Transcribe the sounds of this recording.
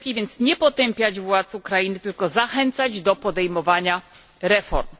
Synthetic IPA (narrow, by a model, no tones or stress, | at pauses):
kʲivʲjɛnt̪sɲɛpɔt̪ɛmpʲjad͡ʑvwat̪sukɾajinɘt̪ɘlkɔzaxɛnt̪sad͡ʑd̪ɔpɔd̪ɛjmɔvaɲa | ɾɛfɔ̰ɾm